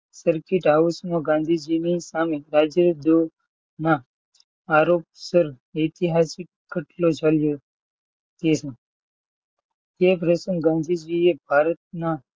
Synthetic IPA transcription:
səɾkiʈausmõɡãnd̪ʱid͡ʒinisameɾad͡ʒəɾd̪o | naː | ɾoːp̚səɾ | et̪iɦasɪkːəʈlot͡ʃaljo | t̪esẽ | epɾesənɡãnd̪ʱid͡ʒiebʱaːɾət̪̚na

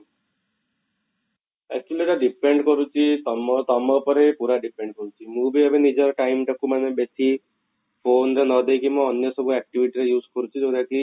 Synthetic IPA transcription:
ɛk̚t͡ʃualiʈaɖipeɳɖkɔɾut͡ʃʰit̪ɔmɔt̪ɔmɔpɔɾejpuɾaɖipeɳɖkɔɾut͡ʃʰimũbiɔbenid͡ʒɔɾɔʈajmʈʰakumanebesi | pʰonɾenɔd̪ejkimɔ̃ɔnjɔsɔbʱuɛk̚ʈibʱiʈiɾejuːskɔɾut͡ʃʰid͡ʒoɾaki

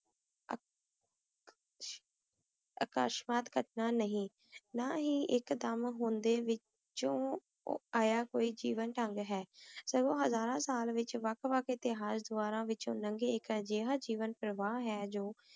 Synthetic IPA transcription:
əkaːʃmaːt̪kəʈnaːnəɦĩː | naːɦĩːʔɪkd̪əmɦʊ̃nd̪eːʋɪ | t͡ʃõː | aːjaːkoːiːd͡ʒiːʋənʈəŋɡɦɛːsəɡõːɦəzaːɾãːsaːlʋɪt͡ʃʋəkʋəkɪt̪ɪɦaːsd̪ʊaːɾãːʋɪt͡ʃɦʊ̰nə̃ŋɡeːɪkəd͡ʒeːɦaːd͡ʒiːʋənpɾəʋaːɦɛːd͡ʒoː

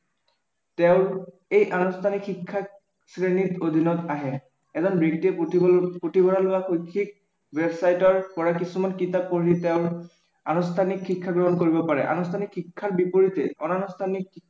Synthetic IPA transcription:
tɛʊ̃ | ejʔanustʰanikxikʰːa | sɹenitod̪ʱinɔtaɦɛ | ɛzɔnbɹektiɛipotibɔnalʊaxojkʰːik̚ | websajtɔɹpɔɹakisumankitapːoɹitɛʊ̃ɹ | anustʰanikʰːikʰːaɡɹɔɦɔnkoɹibɔpaɹɛ̰ʔa̰nustʰanikʰxikʰːaɹbipoɹitɛ̰ɔ̰nanustʰanik

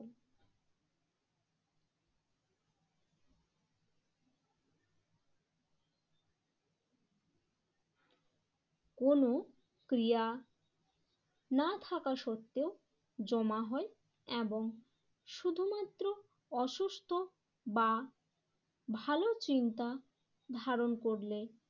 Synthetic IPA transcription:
kono | kɾija | nat̪ʰakaʃot̪ːeo | d͡ʑɔmaɦɔe | eboŋ | ʃud̪ʱumat̪ːɾo | ɔʃust̪ʰo | ba | bʱalot͡ɕint̪a | d̪ʱaɾonkoɾle

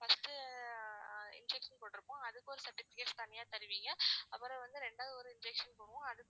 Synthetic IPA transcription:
fɐst̪ɯ | ɪ̰nd͡ʒɛkʂɐnpoːʈːɪɾɯpːõːɐðɯkːɯɔɾɯsɐɾʈːɪfɪkeːʈst̪ɐnːɪjaːt̪ɐɾɯʋiːŋɡɐɐpːɐɾɐ̃ʋɐnd̪ɯɾɛɳɖaːðɯɔɾɯɪnd͡ʒɛkʂɐnpoːɳɯʋʊ̃ɐðɯkː

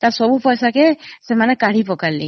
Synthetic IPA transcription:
t̪asɔbupɔjsakesemanekaɽ̤ipɔkaɾlḭ

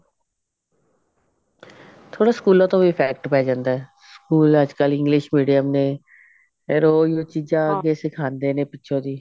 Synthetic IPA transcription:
t̪ʰoːɽaːskuːlõːt̪õːbiːpʰɛːk̚ʈpɛːd͡ʒãːnd̪aːɛːskuːləd͡ʒkəlɪ̃ŋɡlɪʃmiːɖijəmnẽː | eɾoːijoːt͡ʃiːd͡ʒãːəɡeːsɪkʰãːnd̪eːnẽːpɪtːʃʰõːd̪iː

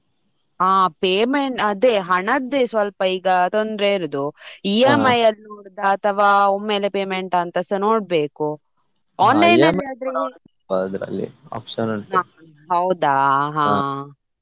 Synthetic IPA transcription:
aːpeːmeɳʈɐd̪eːɦɐɳɐd̪esʋɐlpɐiːɡɐt̪ond̪ɾeiɾɐd̪uiːemɐjɐlnoːɽd̪ɐːt̪ʰɐʋaːomːe̞ːlepeːmeɳʈɐnt̪ɐsɐnoːɽ̚be̞ːku | ɔːnlɐjnaad̪ɾe | aɐd̪ɾɐ̰lːḭa̰ːpʂɐnoa | ɦɐwd̪aɦaː

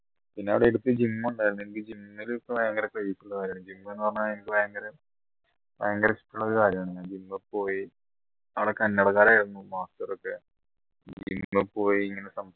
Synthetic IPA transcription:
pinːeɐʋiɽeeɽut̪ːɨd͡ʑimːɐuɳɖaːjiɾund̪uenik̬ːɨd͡ʑimːilipːobɐjɐŋɡɐɾeklejisuɭːɐkaːɾjɐaɳmd͡ʑimːuenːɨpɐrɐɲːaenikʲːɨbɐjɐŋɡɐɾe | pɐjɐŋɡɐɾesi̥ʈːuɭːɐoɾukaːɾjɐmaːɳeŋːad͡ʑimːɨpːo̞ːji | ɐʋiɽokːɐnːɐɽɐɣaːɾaːjiɾunːumaːstɐrokːe | d͡ʑd͡ʑḭmːepːo̞ːjiiŋːɐnesɐm

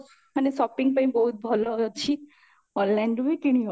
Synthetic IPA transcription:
ənesɔpiŋɡ̚pãĩbɔɦut̪̚bʱɔlɔɦt͡ʃʰi | ɔlːɛɳɖuʋekiɽ̃iɔ

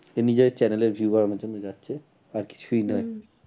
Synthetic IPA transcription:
enid͡ʑet͡ɕɛneleɾbʱjuaɾmad͡ʑonːod͡ʑatːɕʰe | aɾki̥t͡ɕʰujnɔe

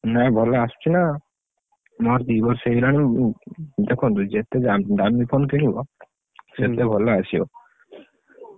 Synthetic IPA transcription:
nãbʱɔlaast͡ʃʰina | mɔɾd̪ibɔɾselani | d̪ekʰunt̪ud͡ʒet̪ed͡ʒad̪amipʰonkinibɔ̰ | set̪ebʱɔlaasio̰

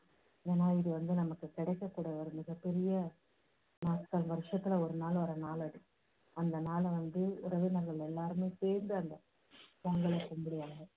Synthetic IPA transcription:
eːnaːɪðɯʋɐnd̪ɯnɐmɐkːɯkɪɽɐɪkːɐkːuːɽaːɔɾɯmɪɣɐpɛɾɪjɐ | nɐːskːɐlʋɐɾɯʂɐt̪ːɪlɐɔɾɯnaːlɐɾɐnaːlɐɽɯ | ɐnd̪ɐnaːlʋɐnd̪ɯɾɐʋɪnɐɾɣɐɭɛlːaːɾɯmeːseːɾnd̪ɯɐnd̪ɐ | ʋɐŋɡɐɭɐkʊmbɪɽɪjaːnɡɐ

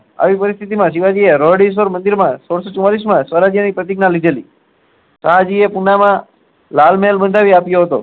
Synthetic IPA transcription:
a̰ʋipəɾist̪ʰit̪imãʃiʋad͡ʒieɾɔɽis̬oɾmənd̪iɾmãsoɽsot͡ʃũmalis̬mãsʋəɾad͡ʒjanipɾət̪ɪɡnalid̪ʱelḭ | saɦad͡ʒiepunamã | lalmeɦlbənd̪ʱaʋiapjoɦət̪o̰

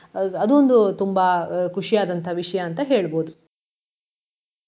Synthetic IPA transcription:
ɐd̪uond̪ut̪umbɐkʰuʂijaːd̪ɐnt̪ʰɐʋiʂɐjɐːnt̪ɐɦe̞ːɭboːd̪u

